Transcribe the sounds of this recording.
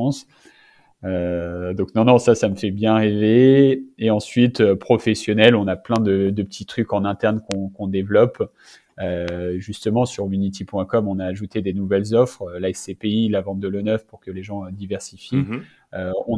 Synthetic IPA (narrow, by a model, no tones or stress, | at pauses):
ɑ̃s | ød̪ɔ̃knɔ̃nɔ̃sasaməfɛbjɛ̃ʁeveeɑ̃sɥit̪øpχɔfɛsjɔnɛlɔ̃naplɛ̃d̪əd̪əpət̪ʰit̪χykɑ̃nɛ̃t̪ɛʁnkɔ̃kɔ̃d̪evlɔp | øʒyst̪əmɑ̃syʁynit̪ʰipwɛ̃kɔmɔ̃naːʒut̪ed̪enuvɛlzɔfχlaɛsepeilavɑ̃t̪d̪əlonœfpuʁkəleʒɑ̃d̪ivɛʁsifi | øɔ̃